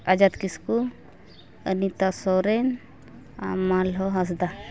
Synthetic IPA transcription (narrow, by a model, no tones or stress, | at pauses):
ad͡ʒat̪kisku | ənit̪asɔɾɛn | a̰malɦɔɦas̬d̪a